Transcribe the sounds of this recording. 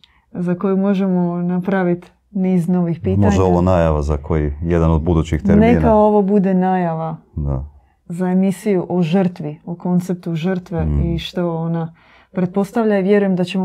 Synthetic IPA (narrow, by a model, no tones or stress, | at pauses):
zako̞jumo̞ʒe̞monapɾaʋit̪ | niːzno̞ʋixpiːtmoaʒeoʋonaːjaʋazakʰojijed̪anod̪̚bud̪uːt͡ɕixt̪eɾnekao̞ʋobud̪enaːjaʋad̪a̰ | zae̞misijuʔoʒər̩t̪ʋioko̞nt̪se̞p̚t̪uʒərt̪ʋe̞iʃt̪o̞ona | pɾe̞t̪̚po̞st̪aʋʎaiʋje̞ɾuje̞md̪at͡ɕe̞mo